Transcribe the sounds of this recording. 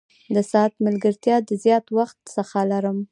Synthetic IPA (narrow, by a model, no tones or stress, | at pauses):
d̪əsɑat̪məlɡəɾt̪jɑd̪əzjɑt̪waxt̪səxalaɾəm